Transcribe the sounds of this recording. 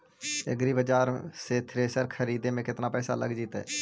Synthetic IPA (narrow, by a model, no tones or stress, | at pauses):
ɪ̰ɡɾibəd͡ʒaːɾset̪ʰɾeːsəɾkʰəɾiːd̪emẽkɪt̪napɛːsa̰lə̰ɡd͡ʒiːt̪ɛ̰ː